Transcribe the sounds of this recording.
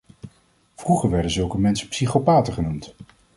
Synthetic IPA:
v̥ruχəɹʋɛɹdənzɵlˠkəmɛnsəpsiχopaːtəχənumt

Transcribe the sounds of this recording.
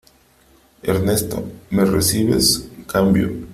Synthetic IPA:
eɾnest̪o̰meresiβḛskambjo̰

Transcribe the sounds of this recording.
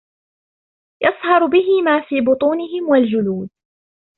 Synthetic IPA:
jɑsˤhɑɾˤbɪɦɪmaːfiːbʊt̪ˤuːnɪɦɪmwald͡ʒʊluːd̪

